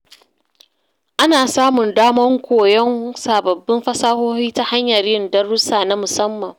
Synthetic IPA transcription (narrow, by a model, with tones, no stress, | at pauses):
ʔa˦naː˨saː˦mʊ˨ndaː˦mɐ˦ŋkʷoː˨jɔ˦ŋsaː˨bɐ˨bːɪ˦mɸɐ˦saː˦hoː˦hiː˦ta˦ha˦ɲjɐ˨rjɪ˦ndɐ˦ɾʊ˦saː˨na˦mʊ˨sɐ˦mːɐ˨ŋ